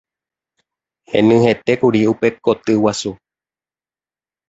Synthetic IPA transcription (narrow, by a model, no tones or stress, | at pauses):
hḛ̃nɨ̃he̞t̪e̞kuɾiupe̞kot̪ɨwasu